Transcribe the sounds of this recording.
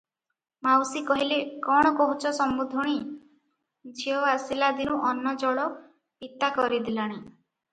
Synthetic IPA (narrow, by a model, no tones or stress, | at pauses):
mawsikɔɦilekɔɽ̃ɔkɔɦut͡ʃʰɔsɔmbud̪ʱɔɽ̃i | d͡ʒʱiɔasilad̪inuʔɔnːɔd͡ʒɔɭɔ | pit̪akɔɾid̪ilaɽ̃i